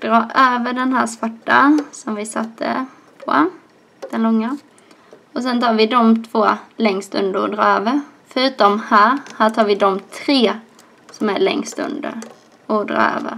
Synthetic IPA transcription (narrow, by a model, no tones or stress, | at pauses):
d̪̥ɾɑːʔøːvəɖɛnɦæːʂvaʈːa̰sɔmvɪsa̰t̪ʰːə̰ | pʰɔ̰ | d̪̥ɛnlɔŋːa | ɔs̬ɛnt̪ʰɑːɾvɪd̪ɔmt̪ʰvoːlɛŋst̪ɵ̰nd̪əɾɔ̰d̪ɾɑːøːvəɾfœɾʉ̟ːt̪ɔmhæːɾhæːʈʰɑːɾvɪd̪ɔmt̪ʰɾeː | sɔmæɭɛ̰ŋst̪ɵ̰nd̪ə̰ɾ | ɔd̪ɾɑ̰ːø̰ːvə̰ɾ